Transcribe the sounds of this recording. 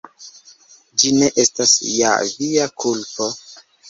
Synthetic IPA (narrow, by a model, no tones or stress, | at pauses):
d͡ʒine̞ʔe̞stasja̰viakʰulpo̞